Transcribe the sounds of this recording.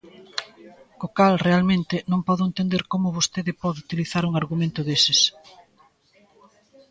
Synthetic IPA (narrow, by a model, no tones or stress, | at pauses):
kokalrealmẽnt̪ɪnõŋpɔðʊent̪end̪eɾkomʊβost̪eðɪpɔðeut̪iliθaɾuŋaɾɣumẽnt̪ʊðesɪs